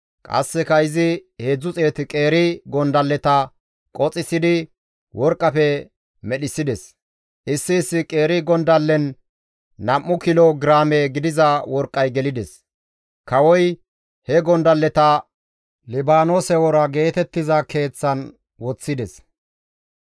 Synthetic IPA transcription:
kʼɐ̰sːɛkɐɪzɪheːd͡zːʊt͡sʼeːt̪ɪkʼe̞ːɾɪɡɔnd̪ɐlːɛt̪ɐ | kʼɔt͡sʼːɪsɪd̪ɪ | wɔɾkʼːɐfɛ | mɛɗɪsːɪd̪ɛs | ʔɪsːɪːsːɪkʼe̞ːɾɪɡɔnd̪ɐlːɛnː | ɐmːʊkɪloɡɾaːmɛɡɪd̪ɪzɐwɔɾkʼːɐjɡɛlɪd̪ɛs | kɐwɔj | hɛɡɔnd̪ɐlːɛt̪ɐ | lɪbaːnoːsɛwɔɾɐɡe̞ːt̪ɛt̪ːɪzɐke̞ːt͡sːɐn | wɔt͡sːɪd̪ɛs

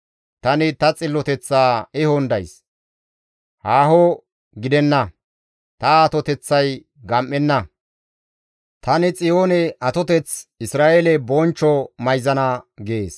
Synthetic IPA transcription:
t̪ɐnɪt̪ɐt͡sʼɪlːɔt̪ɛt͡sːaːɪhɔnd̪ɐjs | haːɦɔ | ɡɪd̪ɛnːɐ | t̪ɐːt̪ɔt̪ɛt͡sːɐj | ɡɐmʔːɛnːɐ | t̪ɐnɪt͡sʼɪjoːnɛʔɐt̪ɔt̪ɛt͡sɪsɾaːʔelɛbɔnt͡ʃːɔmɐjzɐnɐɡeːs

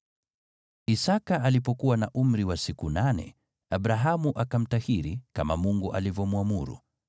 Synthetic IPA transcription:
isakaʔalipɔkuwanaʔum̩ɾiwasikunanɛ̰ | abɾaɦamuʔakam̩tahiɾikamamuŋɡuʔa̰livɔmwamuɾṵ

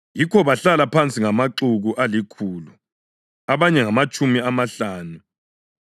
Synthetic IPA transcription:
jikʰɔβaɬalapʰant͡sʼiŋamaǁuɣuʔalikʰuːlu | aβaɲɛŋamat͡ʃʼumiamaɬaːnu

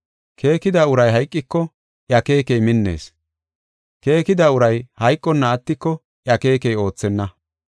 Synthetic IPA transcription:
kʰe̞ːkɪd̪aːʊɾɐjɦɐjkʼːɪkːɔ | ʔjɐke̞ːkɛjmɪnːe̞̰ːs | ke̞ːkɪd̪aːʊɾɐjhɐjkʼːɔnːɐːt̪ːɪkːɔ | ʔjɐke̞ːkɛjo̞ːt͡sːɛnːɐ

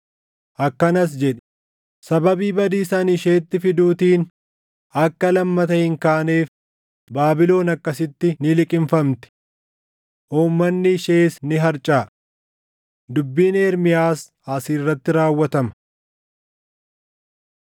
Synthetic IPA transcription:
ʔɐkːɐnɐs̬d͡ʒɛᶑɛ̥ | sɐbɐbiːbɐd̪iːsaːnɪʃe̞ːt̪ːɪfɪd̪uːt̪iːn | ɐkːɐlɐmːɐt̪ɐhɪŋkaːneːf | baːbɪlo̞ːnɐkːɐsɪt̪ːɪnɪlɪkʼɪɱfɐmt̪ɪ̥ | ʔuːmːɐnːɪʃeːsnɪɦɐɾt͡ʃʼaː | d̪ʊbːiːneːɾmɪjaːs | aːsiːrːɐt̪ːɪɾaːwːɐt̪ɐmɐ̥

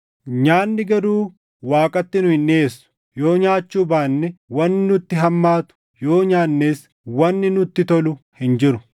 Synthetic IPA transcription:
ɲaːnːɪɡɐɾuː | waːkʼɐt̪ːɪnʊhɪnʔeːsːʊ̥ | jo̞ːɲaːt͡ʃːuːbaːnːɛwɐnːɪnʊt̪ːɪɦɐmːaːt̪ʊ̥ | jo̞ːɲaːnːeːs | wɐnːɪnʊt̪ːɪt̪ɔlʊhɪnd͡ʒɪɾʊ

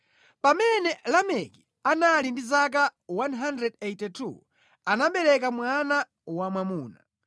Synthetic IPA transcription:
pamɛnɛlamɛki | analindizak̬awanɦandɾɛdejtɛtʰṵ | anaɓɛɾɛkamwana | wamwamuːna̰

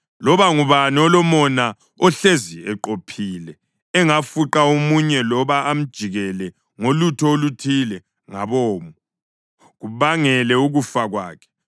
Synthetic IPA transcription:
lɔβaŋuβaniɔlɔmɔna | ɔɬeziɛǃopʰiːlɛː | ŋafuǃaomuɲɛlɔβaam̩d̥ʒ̥ʱiɣɛlɛ | ŋolutʰɔolutʰilɛ | ŋaβɔːmu | ɣuβaŋɛlɛuɣufaɣwa̰ːkʰɛ̥

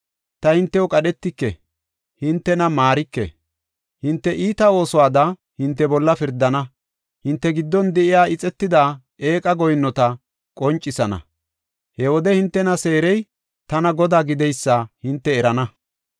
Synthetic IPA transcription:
t̪ɐhɪnt̪ːɛjɔkʼɐɗɛt̪ːɪkːɛ̰ | hɪnt̪ːɛnɐmaːɾɪkːɛ̰ | hɪnt̪ːɛʔiːt̪ɐo̞ːsɔwaːd̪ɐ | hɪnt̪ːɛbɔlːɐfɪɾd̪ːɐnɐ | hɪnt̪ːɛɡɪd̪ːɔnd̪ɛʔɪjaːʔɪt͡sʼɛt̪ːɪd̪aː | e̞ːkʼɐɡɔjnːɔt̪ɐ | kʼɔnt͡ʃʼːɪsɐnɐ̰ | hɛwɔd̪ɛhɪnt̪ːɛnɐse̞ːɾɛj | t̪ɐnɐɡɔd̪aːɡɪd̪ɛjsːɐhɪnt̪ːɛːɾɐnɐ

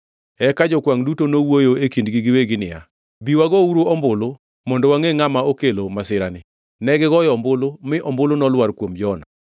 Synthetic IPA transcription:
ɛkad͡ʒɔkwaŋdutonowojoekindɡiɡɪweɡɪnɪja̰ | biwaɡɔuɾoɔmbʊlo | mɔndɔwaŋeŋamaokelomasɪɾanɪ | nɛɡɪɡɔjɔmbʊlomɪʔɔmbolonɔlwaɾkwomd͡ʒɔna

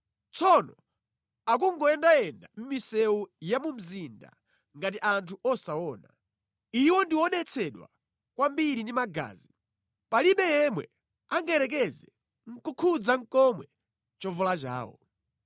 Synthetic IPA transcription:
t͡sʰɔnɔ | ak̬uŋɡɔɛndajɛndam̩misɛujamum̩zinda̰ | ŋɡatiʔantʰuɔsawɔːna | iwɔndiwɔɗɛt͡sʰɛɗwa̰ | kwambiɾindimaɡa̰ːzi | paliɓɛjɛmwɛ̰ | aŋɡaɛɾɛk̬ɛzɛ | ŋ̩kukʰud͡zaŋ̩kɔmwɛ | t͡ʃɔvɔlat͡ʃa̰ːwɔ̰

